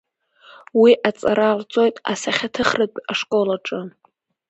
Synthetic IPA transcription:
wiʔat͡sʼaɾarʷt͡sʼo̞jtʼasaχʲatʰɨχrɨpʲʼaʂkʼo̞laʈ͡ʂʼɨ

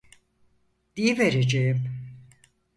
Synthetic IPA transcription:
d̪̥ijiveɾed͡ʒejim

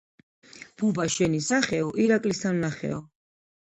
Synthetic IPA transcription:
b̥ubaʃɛnisaχɛɔʔiɾakʼlisannaχɛ̰ɔ

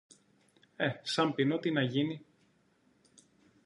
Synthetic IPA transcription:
e̞sɐmpinot̪inɐʝini

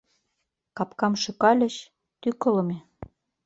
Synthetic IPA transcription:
kɑpkɑmʃɤ̆kɑlʲə̆ɕ | t̪ykɤ̆lɤ̆me

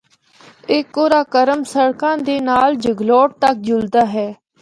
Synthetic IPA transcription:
ɪkːoːɾaːkəɾəmsəɽkãːd̪eːnaːld͡ʒəɡlɔːʈ̚t̪ək̚d͡ʒʊld̪aːɦɛː

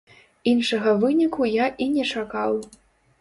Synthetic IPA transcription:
inʂɐɣɐvɨnʲikʰujaʔinʲɛt͡ʂakaw

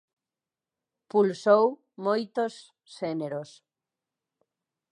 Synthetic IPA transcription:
pulsow | mojt̪osː | eneɾos

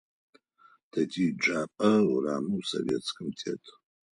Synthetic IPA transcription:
d̥ɐtʰiːd͡ʒʼaːpʼɐwraːmɨwsɐ̰vʲɛ̰t͡sʰʼkɨmtʰʼḛːtʰʼ

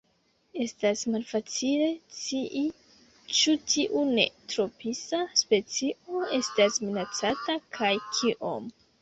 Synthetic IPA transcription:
e̞stasmalfat͡sile̞t͡siʔi | t͡ʃutʰiʔune̞̰tɾo̞pʰisaspe̞t͡sio̞e̞stasminat͡satakʰajkʰiʔo̰m

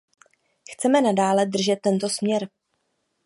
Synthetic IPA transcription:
xt͡sɛmɛnadaːlɛd̪r̩ʒɛt̪ːɛnt̪o̞smɲɛɾ

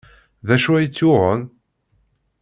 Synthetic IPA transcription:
ðæʃuæjət͡sːʊʁən

